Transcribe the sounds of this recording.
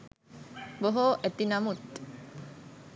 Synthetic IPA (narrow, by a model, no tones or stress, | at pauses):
boɦoʔæt̪inamut̪